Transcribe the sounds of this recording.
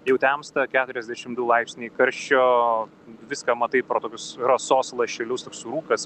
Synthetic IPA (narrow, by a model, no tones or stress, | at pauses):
jɛʊt̪ʲæmst̪ɐkʲæːt̪ʊɾʲɛzʲd̪ʲæʃʲɪmd̪ulˠɐɪpʲsʲnʲiːkɐɾʲʃʲt͡ʃʲoː | ʋʲɪskɐmɐt̪ɐɪtpɾoːt̪oːkʲʊsɾɐsoːslˠɐʃʲɪlʲʊst̪oːksʊɾuːkɐs